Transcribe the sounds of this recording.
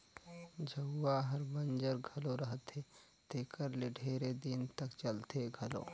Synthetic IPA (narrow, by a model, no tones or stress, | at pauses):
d͡ʒʱəɡːaɦəɾbə̃nd͡ʒəɾɡʱɐloɾəɦət̪ɦe | t̪eːkəɾleɖʱeːɾed̪ɪnt̪əkt͡ʃəlt̪eɡʱɐlo̰ː